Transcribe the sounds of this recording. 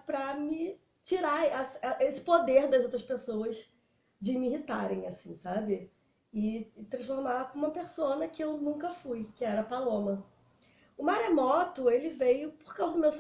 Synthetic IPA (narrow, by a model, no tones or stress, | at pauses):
pɾɐmɪ | t͡ʃiɾaɛsɛʔesɪ̥pod̪eɾd̪ɐzowt̪ɾɐspesoɐs | d͡ʒɪmɪiɦit̪aɾẽj̃asĩsabɪ | ɪt̪ɾɐ̃sfoɾmapũmɐpeɾsõnɐkɪewnũkɐfujkɪɛɾɐpalõmɐ | ʊmaɾemɔt̪ʊelɪvejʊpoɾkawzɐd̪ʊmews